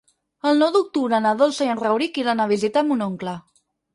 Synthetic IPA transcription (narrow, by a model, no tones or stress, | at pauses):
əlˠnɔwd̪uk̚t̪uβɾəːnəðolˠsəjənrəwɾikiɾanəβizit̪amunoŋklə